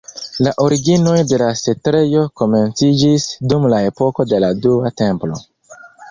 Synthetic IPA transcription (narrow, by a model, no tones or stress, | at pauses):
laʔo̞ɾiɡino̞jde̞lase̞tɾe̞jo̞ko̞me̞nt͡sid͡ʒisdumlae̞po̞ko̞de̞laduate̞mplo̞